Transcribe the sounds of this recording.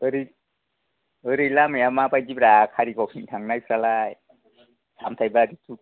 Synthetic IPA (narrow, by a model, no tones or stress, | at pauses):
ɯɾi | ɯɾilamajamapajd͡ʒip̚ɾakʰaɾikɔpʰint̪ʰaŋnajsʰɾalaj | sʰamt̪ʰajbaɾit̪ʰu